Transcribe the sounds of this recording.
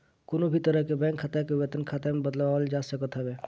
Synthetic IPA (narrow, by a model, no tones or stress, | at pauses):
kʊnobʱit̪əɾəɦkebɛ̃ːŋkʰːat̪ekeʋet̪ənkʰaːt̪emẽbəd̪laʋaəld͡ʒaːsəkət̪ɦɛbeː